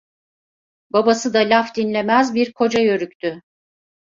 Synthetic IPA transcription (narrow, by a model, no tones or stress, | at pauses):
babasɯd̪alʲafd̪inlʲe̞mæzbiɾkʰo̞d͡ʒajøɾyct̪ʰy